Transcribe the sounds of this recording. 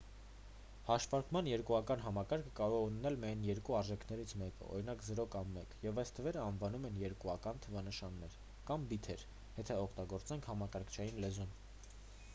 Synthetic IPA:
hɑʃvɑɾkmɑnjɛɾkuɑkɑnɦɑmɑkɑɾkʰə̥kɑɾɔʁɛunnɛlmiɑjnjɛɾkuɑɾʒɛkʰnɛɾit͡sʰmɛkə̰ɔ̰ɾinɑkzəɾɔkɑmːɛkjɛvɑjst̪ʰəvɛɾəɑnvɑnumɛnjɛɾkuɑkɑnt̪ʰəvɑnəʃɑnːɛɾ | kɑmbit̪ʰɛɾ | jɛt̪ʰɛɔkʰt̪ɑɡɔɾt͡sɛŋkʰhɑmɑkɑɾkʰt͡ʃʰɑjinlɛzun

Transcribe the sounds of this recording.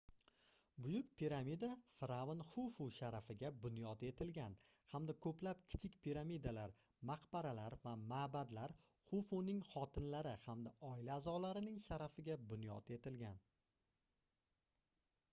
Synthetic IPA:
bʊjʊkʲpʰiɾamid̪afɾavanχufuʃaɾafɪɡʲabʊnjɒt̪e̞t̪ʰɪlɡʲanhamd̪akʰɵplap̚kʲʰɪ̥t͡ʃʰɪkʲpʰiɾamid̪alaɾ | maqbaɾalaɾvamaːbad̪laɾ | χufunɪŋχɒt̪ʰɪnlaɾɪhamd̪aʔɒɪlaːzɒlaɾɪnɪŋʃaɾafɪɡʲabʊnjɒt̪ʰe̞t̪ɪlɡʲan

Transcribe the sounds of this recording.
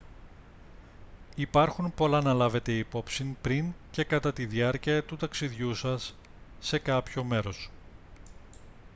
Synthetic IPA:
ipɐɾxunpo̞lɐnɐlɐve̞t̪e̞ipo̞psinpɾiŋce̞kɐt̪ɐt̪iðiɐɾciɐt̪ut̪ɐksiðʝusɐsː | e̞kɐpço̞me̞ɾo̞s

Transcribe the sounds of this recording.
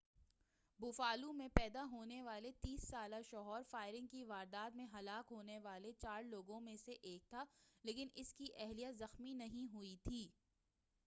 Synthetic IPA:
bʊfaːlũmẽpɛːd̪aɦoːneʋaːlet̪iːsːaːlaʃɔːɦɔːɾfaːɪɾɪ̃ŋɡkiʋaːɾd̪aːt̪mẽɦɐlaːkɦoːneʋaːlet͡ʃaːɾloːɡõmẽseʔeːk̚t̪ʰaːleːkɪnʔɪskiʔɛɦlijəzɐxminɐɦĩɦʊit̪ʰiː

